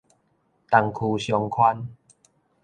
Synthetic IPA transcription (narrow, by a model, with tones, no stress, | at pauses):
t̪a˨˩ŋkʰu˨ɕjɔ˧ŋkʰwa˦n